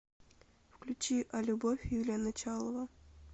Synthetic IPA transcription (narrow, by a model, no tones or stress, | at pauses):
fklʲʉt͡ɕiʔalʲubofʲjilʲanat͡ɕalˠəvə